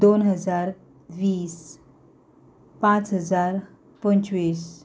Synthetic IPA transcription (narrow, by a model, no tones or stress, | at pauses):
d̪onɦəd͡zaɾ | ʋiːs | pãt͡sɦəd͡zaɾ | pənt͡ɕʋiːs